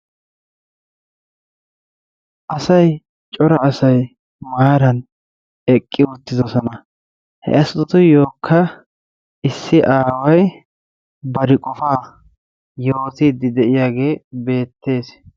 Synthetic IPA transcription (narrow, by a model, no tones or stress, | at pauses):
ʔɐsɐj | t͡ʃʼɔɾɐːsɐj | maːɾɐn | ɛkʼːɪʊt̪ːɪd̪ɔsɔnɐ | hɛ̰ɐst̪ːɔt̪ʊjo̞ːkʰːɐ | ɪsːɪʔaːwɐj | bɐɾɪkʼɔfaː | jo̞ːt̪iːd̪ːɪd̪ɛʔɪjaːɡe̞ːbe̞ːt̪ːe̞ːs